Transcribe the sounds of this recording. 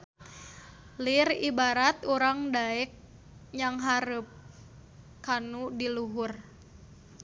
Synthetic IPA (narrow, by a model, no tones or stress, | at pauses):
liribaɾat̪uɾaŋdaɛk̚ | ɲaŋɦaɾəp̚ | kanudiluɦʊr